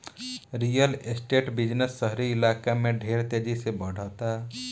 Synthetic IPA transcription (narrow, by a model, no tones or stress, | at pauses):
ɾijəlesʈeʈbid͡ʒnəsːəɦɾiɪlakameɖʱeɾt̪ed͡ʒisebəɽ̤ət̪a